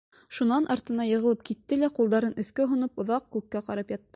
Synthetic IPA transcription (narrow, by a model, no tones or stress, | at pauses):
ʃunɑnʔɑɾt̪ɤ̆nɑjɤ̆ʁɤ̆lˠɤp̚kit̪ːɘlæqulˠd̪ɑɾɤnɵ̆θkæɦŏnɤpŏðɑq̚kʉkːæqɑɾɑpjɑt̪ːɤ